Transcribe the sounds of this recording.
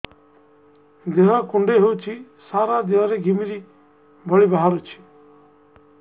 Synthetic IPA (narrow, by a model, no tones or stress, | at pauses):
d̪eɦɔkʊ̃ɳɖeɦeut͡ʃʰi | saːɾad̪eɦɔɾeɡʱimiɾi | bʱɔɭiːbaɦaɾut͡ʃʰi̥